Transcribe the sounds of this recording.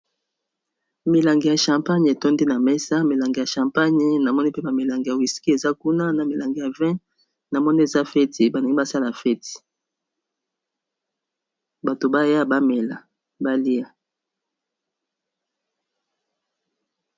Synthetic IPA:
mi˨la˨ŋɡi˨ja˨ʃã˨mpa˦ɲ˨e˨to˦ndi˦na˨mɛ˦sa˦mi˨la˨ŋɡi˨ja˨ʃã˨mpa˦ɲ˦na˨mɔ˦ni˦pe˦ba˨mi˨la˨ŋɡja˨wi˨ski˦e˨za˦ku˦na˦na˨mi˨la˨ŋɡi˨ja˨vɛ̃˦ | na˨mɔ˦ni˦e˨za˦fɛ˦ti˨ba˨nde˨˦ɡi˦ba˦sa˦la˨fɛ˦ti̥˨ | ba˨to˨ba˦ja˦ba˦mɛ˨la˨ | ba˦li˦a˨

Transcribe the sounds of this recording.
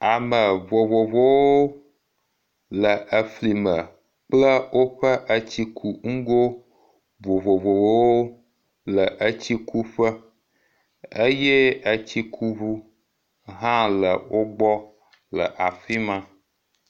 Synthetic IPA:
a˨mə˨vo˨vo˨vo˦wo˦ | lə˨ʔə˨fli˨mə˨ | k͡plə˦wo˦ɸə˦ʔə˦t͡ɕi˦kʰu˨ŋ̩˦ɡo˦ | bo˨vo˨vo˨vo˦wo˦ | lə˨ʔə˦t͡ɕi˦kʰu˦ɸə˦ | ə˦jɛ˦ə˦t͡ɕi˦kʰu˦βu˦ | ɦã˦lə˨wo˦bɔ˦ | lə̰˨ʔa˨fi˦mã˦

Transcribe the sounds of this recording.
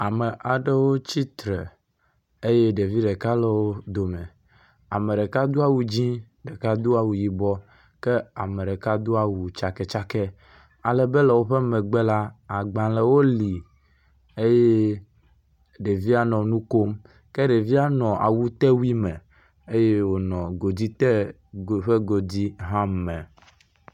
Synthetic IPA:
a˨mɛ˨ʔa˨ɖe˦wo˦t͡ɕi˦t̪ɾɛ˨ | e˦je˦ɖe˨vi˦ɖɛ˨ka˦lɛ˨wo˦d̪o˨mɛ̰˨ | a̰˨mẽ˨ɖe˨ka˦d̪u˦a˦wu˨d͡ʑĩ˦ | ɖe˨ka˦d̪u˦a˨wu˨ji˨bɔ˦ | kɛ˦a˨mẽ˨ɖɛ˨ka˦d̪o˦a˨wu˨t͡ʃa˨kɛ˨t͡ʃa˦kɛ˦ | a˨lɛ˨be˦lɛ˨wo˦ɸɛ˦mɛ̃˨ɡ͡bɛ˦la˦a˨ɡ͡bã˨lɛ˨wo˦li˨ | e˦je˦ | ɖe˨vi˦a˦nɔ̃˨nũ˦ko˦m | kɛ˦ɖe˨vi˦a˦nɔ̃˨ʔa̰˨wu˦t̪ɛ˦wi˦mɛ̃˨ | e˦je˦wo˨nɔ̃˨ɡo˨d͡ʑi˦t̪ɛ˦ | o˨ɸe˦ɡo˨d͡ʑi˦ɦã˦mɛ̃˨

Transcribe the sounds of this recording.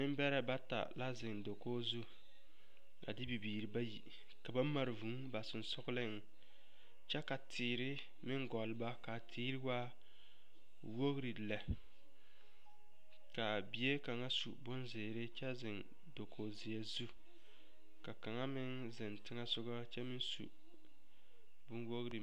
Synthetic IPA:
nɪ˦m˦bɛ˦ɾa˦ba˦ta̰˨la˦zɪ˨ŋdo˨koː˦zu˦ | a̰˨dɪ˦bi˨biː˨ɾi˨ba˦jḭ˨ | ka˨ba˦ma˨ɾɪ˨vu˨˦ba˨sɪ˨n˨sʊ˦ɡlɪ˦ŋ˨ | t͡ʃɛ˦ka˨tʰɪː˨ɾɪ˦ | mɪ˦ŋɡɔ˨lba˦ka˨tʰiː˦ɾɪ˦waː˦ | wo˦ɣɾi˨la˨ | ka˨bi˨e˦ka˨ŋa˦sṵ˨bʊ˦nzɪ˨ɾɪ˦t͡ʃɛ˦zɪ˨n | do˨kʰo˨zɪ˨a˨zu˦ | ka˨ka˨ŋa˦mɪ˦n | zɪ˨ntɪ˦ŋa˦sʊ˦ɡa˦t͡ʃɛ˦mɪ˦nsṵ˨ | bʊ˦nwo˦ɣɾi˨

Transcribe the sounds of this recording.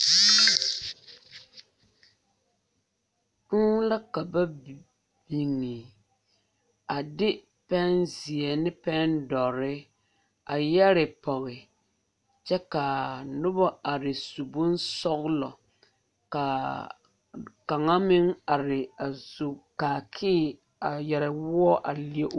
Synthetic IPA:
tu˦la˦ka˨ba˦ | bi˨ŋːi˨ | a˨dɪ˦ | pɛ˦nzɪ˨ɛ˨nɪ˦pɛ˦ndɔ˨ɾɪ˦ | a˨jɛ˦ɾɪ˨pɔ˨ɣɪ˨ | t͡ʃɛ˦ka˨nʊ˦bɔ˦a˨ɾɪ˨su˨bʊ˦nsɔ˦ɣlɔ˨ | ka˨ | ka˨ŋa˦mɪ˦ŋa˨ɾɪ˨a˨zu˨kaː˨kʰɪː˦ | a˨jɛ˨ɾɪ˨wʊ˦ɔ˦ʔa˨li˦ɛ˦ʔ

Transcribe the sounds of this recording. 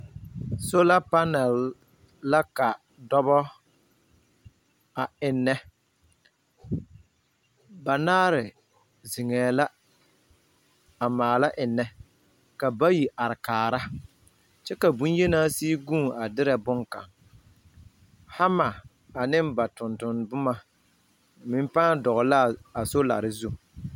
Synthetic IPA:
so˦la˦pa˦nɛ˨lː | a˦ka˨ | dɔ˦bɔ˦ | a˨ɪ˨nːɛ˦ | ba˨naː˦ɾɪ˨ | zi˨ŋɛː˨la˦ | a˨maː˨la˦ʔɪ˨nːɛ˨˦ | ka˨ba˦ji˨ʔa˨ɾɪ˨kaː˨ɾa˦ | t͡ʃɛ˦ka˨bũ˦n˦je˦naː˦siː˦ɡũː˦˨ŋa˨dɪ˦ɾɛ˨bʊ˦ŋka̰˨ŋ | ha˦ma˨ | a˨nɪ˦mba˨tʊ˨ntʊ˨nbʊ˦ma˦ | mɪ˦m˦pãː˦dɔ˨ɣɔ˨la˦a˨so˦la̰˨ɾɪ˨zu˦

